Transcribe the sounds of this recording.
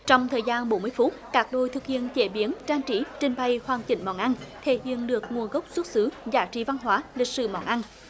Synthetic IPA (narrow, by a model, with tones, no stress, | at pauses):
t͡ɕɔ˧wŋ͡mt̪ʰəː˨˩jzaː˧nɓo˨˦nmɨ˧əjfu˦˥t̚kaː˨˦˥k̚ɗo˧˩jt̪ʰɨ˨˩k̚hḭ˧˨ənt͡ɕe˧˩ɓi˨˦ənt͡ɕaː˧nt͡ɕi˧˩˦t͡ɕï˧˩ŋ̟ɓa˨˩jhwaː˨˩nt͡ɕï˧˩ŋ̟mɔ̰˧˩nʔa˧nt̪ʰe˧˩hḭ˧˨ənɗɨ˨˩ək̚ŋu˨˩ənɣə˦˥wk͡p̚swu˦˥t̚sɨ˨˦zaː˨˦t͡ɕḭ˧˩va˧nɦwaː˨˦li˨˩k̚sɨ̰˧˩mɔ̰˧˩nʔa˧n